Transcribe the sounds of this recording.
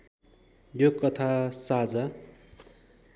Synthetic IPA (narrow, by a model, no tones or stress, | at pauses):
jokʌt̪ʰasad͡za